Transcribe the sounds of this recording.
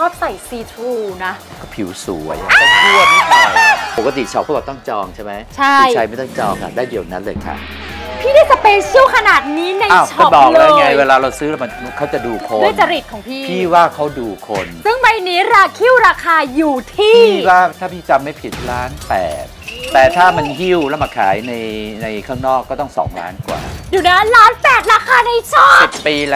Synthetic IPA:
kɔː˥˩sa˨˩jsiː˧t̪ʰuː˧na˦˥ | kɔː˥˩pʰi˨˩˦wsu˨˩˦əjaɔː˥˩kʰɯ˥˩ə˦ | pʰo˨˩ka˧t̪i˨˩t͡ɕʰɔ˨˩p̚ʰːbaː˨˩t̪ɔ˥˩ŋt͡ɕɔː˧ŋt͡ɕʰa˥˩ma˦˥jt͡ɕʰa˥˩˧jʰa˧jma˥˩jt̪ɔ˥˩ŋt͡ɕɔː˧ŋkʰa̰˧˩daː˥˩jdi˨˩əwna˦˥nlɤː˧jkʰa̰˦˥˩ | pʰiː˥˩daː˥˩jt͡ɕa˨˩peː˧nt͡ɕʰi˥˩wkʰa˧naː˨˩t̪̚niː˦˥na˧a˧˩t͡ɕʰɔ˧˦˩bɔː˨˩k̚la˧ŋa˧jweː˧laː˧ɾa˧wsɯː˦˥ɾa˧˩ma˧n˧kʰa˦˥wt͡ɕa˨˩duː˧kʰo˧dəjt͡ɕa˧ɾi˨˩t̪̚kʰɔː˩˦ŋpʰiː˥˩pʰiː˥˩waː˥˩kʰa˦˥wduː˧kʰo̰˧nsɯ˥˩ŋma˧jniː˦˥ɾaː˧kʰi˥˩ə˩wɾaː˧kʰaː˧juː˨˩t̪ʰiː˥˩˥i˥˩waː˥˩t̪ʰaː˥˩pʰiː˥˩t͡ɕa˧mːa˥˩jpʰi˨˩t̪̚laː˦˥npɛ̰ː˨˩t̪̚ːɛː˨˩t̪ʰaː˥˩ma˧nhi˥˩wlɛː˦˥wma˧˩kʰa̰ː˩˦jna˧jna˧jkʰaː˥˩ŋnɔː˥˩kːɔː˥˩t̪ɔ˥˩ŋsɔ̰ː˩˦ŋla̰ː˦˥nkwa̰ː˨˩juː˨˩na˦˥nlaː˦˥npɛː˨˩t̪̚ɾaː˧kʰaː˧na˧jt͡ɕʰɔː˥˩i˨t̚piː˧l

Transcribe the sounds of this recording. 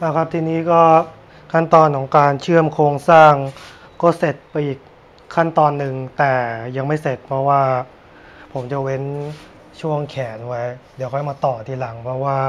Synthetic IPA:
ʔaː˧˩kʰa˦˥p̚t̪ʰiː˧niː˦˥kɔː˥˩ | kʰa˥˩nt̪ɔː˧nkʰɔː˩˦ŋkaː˧nt͡ɕʰɯ˥˩əmkʰoː˧ŋsaː˥˩ŋ | kɔː˥˩se˨˩t̪̚pa˧jʔiː˨˩k̚ʰː | a˥˩nt̪ɔː˧nːɯ˨ŋt̪ɛː˨˩ja˧ŋma˥˩jse˨˩t̪̚pʰɾɔ˦˥waː˥˩ | pʰo˩˦mt͡ɕa˨˩we˦˥n | t͡ɕʰu˥˩əŋkʰɛː˩˦n˧wa˦˥jdi˩˦wkʰɔː˧˦˥jmaː˧t̪ɔː˨˩t̪ʰiː˧˩la˩˦ŋpʰɾɔ˦˥waː˥˩

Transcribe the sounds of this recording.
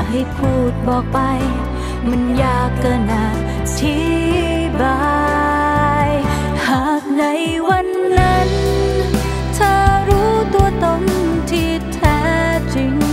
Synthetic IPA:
ha˧˩jkʰuː˧˩t̪̚bɔː˨˩k̚pa˧j | ma˧˥njaː˨˩kːa˧˩naː˨˩t | tʰi˧˥ | baː˧ | j | haː˨˩k̚na˧˦˥j | wa˧˥nːa˦˥n | t̪ʰaː˧˩ɾuː˦˥t̪u˧ət̪o˧ŋt̪ʰiː˧ | t̪ʰɛː˧˦˥ | t͡ɕi˧˩ŋ

